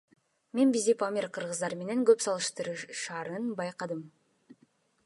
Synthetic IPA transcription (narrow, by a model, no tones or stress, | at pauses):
me̞nbizd̪ipamʲiɾqʰɯɾʁɯzd̪ɑɾme̞ne̞ŋɡøpsɑlˠɯʃt̪ɯɾɯʃɑːɾɯnbɑjqɑd̪ɯm